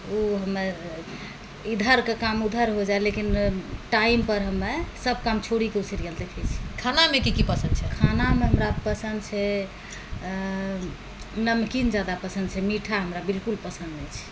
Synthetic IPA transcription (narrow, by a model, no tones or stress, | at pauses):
uɦəme | id̪ʱəɾkekamud̪ʱəɾɦod͡ʒaelekinʈaimpəɾɦəmːesəb̚ʱkamt͡ʃʰoɽikeusiɾɡelt̪ɛpʰet͡ʃʰi̥kʰanamekikipəsənd̪t͡ʃʰɛkʰanameɦəmɾapəsənd̪t͡ʃʰɛ | ɦəmnamekind͡ʒad̪apəsənd̪t͡ʃʰɛmiʈʰaɦəmɾabilkulpəsənd̪et͡ʃʰɛ̥